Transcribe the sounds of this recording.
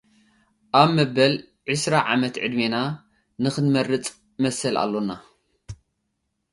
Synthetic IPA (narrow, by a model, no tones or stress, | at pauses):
ʔaβmɐbːɐl | ʕɨsɾaʕamɐt̪ʕɨ̰d̪mina | nɨxɨnmɐrɨt͡sʼ | mɐsɐla̰lːona